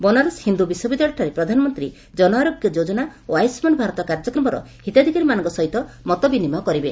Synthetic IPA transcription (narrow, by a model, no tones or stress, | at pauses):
bɔnaɾɔshind̪ubiswɔbid̪aɭɔʈʰaɾepɾɔd̪ʱanɔmɔnt̪ɾi | d͡ʒɔnɔaɾoɡjɔd͡ʒod͡ʒɔnaoajsmɔnbʱaɾɔt̪ɔkaɾd͡ʒɔkɾɔmɔɾɔ̰ | hit̪ad̪ʱikaɾimanɔŋkɔsɔɦit̪ɔmɔt̪ɔbinimɔkɔɾibe